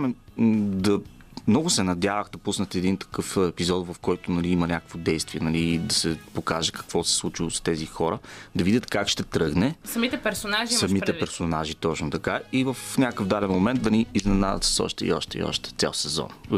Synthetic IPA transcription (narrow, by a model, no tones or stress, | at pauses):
mɛd̪ɐ | mnɔɡʊsɛnɐd̪ʲjavəxd̪ɐpusnət̪ɛɛd̪int̪ɐ̥kɤfɛpizɔd̪vɐfkɔjt̪ʊnɐliimɐnʲakəkvod̪ɛjst̪viɛnɐlid̪ɐsɛpokaʒɛkɐ̥kv̥ɔsɛ̥slˠut͡ʃilˠost̪ɛzixɔɾəd̪ɐvid̪ʲət̪kakʃt̪ɛt̪ɾɤɡnɛsɐmit̪ɛpɛɾsonaʒisɐmit̪ɛpɛɾsonaʒit̪ɔt͡ʃnʊt̪ɐkaivəfnʲakkəfd̪alɛnmomɛnt̪̚d̪ɐniːznɛna̰d̪ə̰t̪ssɔ̰ʃt̪ɛḭɔ̰ʃt̪ɛḭɔ̰ʃt̪ɛ̥t̪sʲa̰lˠsɛzɔ̰n